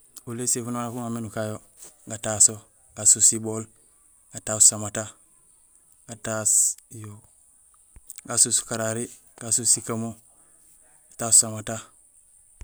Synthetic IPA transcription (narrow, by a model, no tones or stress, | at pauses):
ulesekunoakuŋamenukajo | ɡataso | ɡ̥asusibol | ɡ̥atasamata | ɡ̥atasjo | ɡasusu̥kaɾaɾi | ɡasusikamo | ɡatassamata